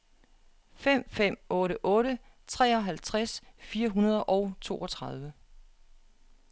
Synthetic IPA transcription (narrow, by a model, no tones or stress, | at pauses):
fem̰fem̰ɔ̽ːɾəʔɔ̽ːɾə | t͡sʰʁɛ̰ːɒ̽ɦælt͡sʰʁasfiːɐɦunɐð̞ˠʔɒʊt͡sʰo̝̰ːɒ̽t͡sʰʁɑ̈ð̞ˠʋə